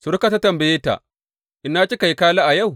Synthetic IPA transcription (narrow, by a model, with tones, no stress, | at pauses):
sʊ˨ɾka˨ta˦tɐ˨mbɐ˨jeː˦ta̰˨ | ʔɪ˨nːaː˦t͡ʃʲi˦ka˨jkaː˦laː˦ʔa˨ja˦˨w